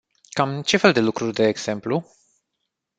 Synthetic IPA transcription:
kamt͡ʃe̞fe̞ld̪e̞lukɾurʲd̪e̞ːɡz̥e̞mplu

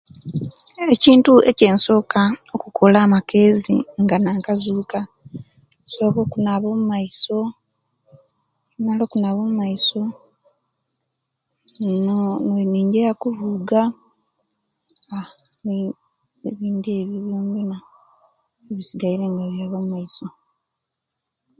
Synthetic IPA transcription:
e̞ciːntue̞̰ce̞ːnso̞ːkaokukʰo̞laːmakʰe̞ːzḭŋɡanaːŋkazuːka | so̞ːko̞ːkunaβo̞mumaiso̞ | nalo̞kunaβo̞mumaiso̞ | noneniːɲɟejakuvuɡa | a | eβiːndie̞βjiβuːnduna | eβisiɡajiɾe̞ŋɡaβiaβomumaiso̞

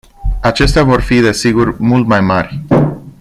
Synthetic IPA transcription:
at͡ʃe̞st̪eavo̞rfid̪e̞siɡurmult̪majmarʲ

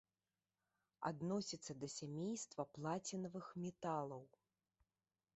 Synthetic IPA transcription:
a̰d̪nɔsʲit̪sːɐd̪ɐsʲamʲejst̪vɐplˠat͡sʲinɐvɨxmʲɛt̪alˠɐw

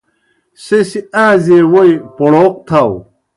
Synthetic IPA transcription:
sesiaːzewojpoɽoq̚t̪ʰaw

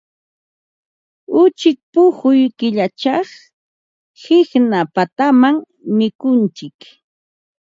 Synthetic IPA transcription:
ʊt͡ʃɪk̚pʊhʊjkɪʎat͡ʃɑχ | hɪxnapat̪amaŋ | mɪkʊnt͡ʃɪk

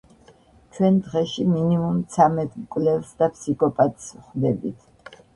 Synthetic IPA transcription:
t͡ʃʰwɛnd̪ʁɛʃiminimumt̪sʰamɛt̪ʰʼmkʼvlɛlsd̪apʰsikʰɔpʼat̪ʼsχd̪ɛbḭt̪ʰ

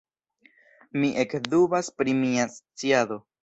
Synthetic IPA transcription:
miʔekd̪ubaspɾimiast͡siado̞

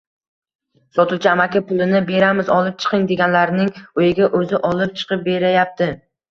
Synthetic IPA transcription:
sɒt̪ʰʊt͡ʃʰaamakʲʰapʊlˠɪnɪbe̞ɾamɪzɒlˠɪp̚t͡ʃʰɨ̥qʰɨŋd̪e̞ɡʲanlaɾnɪŋojɪɡʲaʔɵzɪʔɒlˠɪp̚t͡ʃʰɨ̥qʰɨp̚be̞ɾajap̚t̪ʰɪ

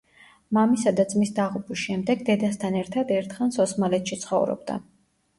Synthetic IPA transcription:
mamisad̪at̪sʼmisd̪aʁupʰisʃɛmd̪ɛɡd̪ɛd̪ast̪ʰanɛɾt̪ʰad̪ɛɾt̪ʰχansɔsmalɛt̪ʃit̪sʰχɔ̰vɾɔ̰bd̪a̰

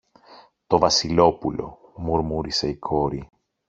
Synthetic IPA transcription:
t̪o̞vɐsilo̞pulo̞̰ | muɾmuɾise̞ikʰo̞ɾi

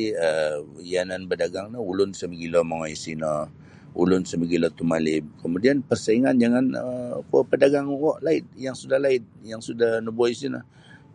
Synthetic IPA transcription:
iəijananbədaɡaŋnəulʊnsəməɡilɔmaŋɔjisinə | ṵlʊnsəməɡilɔt̪umalɪm̚kəmudianpərsaiŋand͡ʒaŋanəkɔpədaɡaŋwɔʔlaɪt̪̚jaŋsudahlaɪt̪̚jaŋsudahnəbuaisinə̰

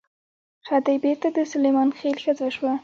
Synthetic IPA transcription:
xad̪ajbeɾt̪ad̪əsʊlejmɑnxelxəzaʃwa

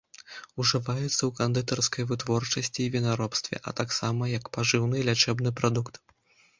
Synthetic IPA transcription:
uʐɨvajɛt̪sːɐwkand̪ɨt̪ɐrskɐjvɨt̪vɔrt͡ʂɐsʲt͡sʲiːvʲinaɾɔpst̪vʲɛ̰ʔɐ̰t̪aksamɐjɐkpaʐɨwnɨlʲat͡ʂɛbnɨpɾad̪ukt̪

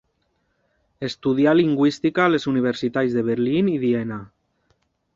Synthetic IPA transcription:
e̞st̪uðialiŋɡwist̪ikalesuniβ̞eɾsit̪ajzðeβeɾliniðiena

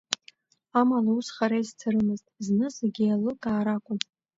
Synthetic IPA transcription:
amalausχaɾajzt͡sʰaɾɨmɨztʼznɨsaɡʲialɨkʼaːɾakʷʼʊn

